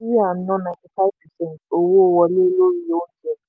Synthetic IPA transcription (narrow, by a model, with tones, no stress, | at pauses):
i˦ja˨n̩˦nɔ˦nã˨nti˨fa˦vpʰɛ˨sɛ̃˦ntʰo˨wo˦˨wa˦le˦lo˦ɾi˨jo˦n̩˦d͡ʒɛ˦˨